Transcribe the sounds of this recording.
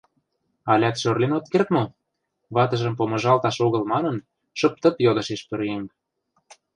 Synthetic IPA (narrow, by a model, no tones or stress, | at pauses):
ɑlʲæt̪ʃørlenot̪kert̪mo | βɑt̪ɤ̆ʒə̆mpomɤ̆ʒɑlt̪ɑʃoɣɤ̆lmɑnə̆n | ʃɤ̆p̚t̪ə̆pjod̪ɤ̆ʃeʃpø̆ɾiem